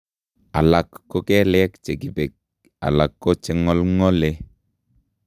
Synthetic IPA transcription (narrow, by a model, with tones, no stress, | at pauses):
a˨la˨kːo˦kɛ˦lɛ˦kt͡ʃe˨ki˨be˨k̚ | a̰˨la˨kːo˦t͡ʃɛ˨ŋɔ˦lŋɔ˦le˦